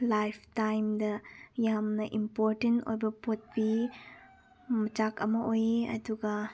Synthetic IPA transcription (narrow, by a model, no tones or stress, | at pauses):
lajpʰtajmdɐjamnɐʔimpoɾtento̰jbɐpot̚pi | mɐt͡ʃakɐmɐʔojeɐ̰duɡɐ